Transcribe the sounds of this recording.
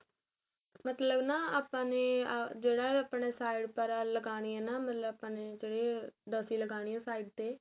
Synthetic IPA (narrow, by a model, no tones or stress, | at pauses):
mət̪ləbnaːaːpãːneːd͡ʒeːɽaːaːpɳeːsaːiɖpəɾaːləɡaːɽ̃iːɛːnaːmət̪ləbaːpãːneːd͡ʒeːɽeːɖəsiːləɡaːɽ̃iːɛ̃ːsaːiɖ̚t̪eː